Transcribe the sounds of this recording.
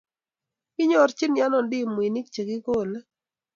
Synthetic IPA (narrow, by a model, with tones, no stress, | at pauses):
kɪ˦ɲɔ˦˨ɾt͡ʃɪ˦nja˦nɔ˨ndɪ˦˨mwi˨ni˦k̚t͡ʃe˨ɡɪ˦ko˦˨le˦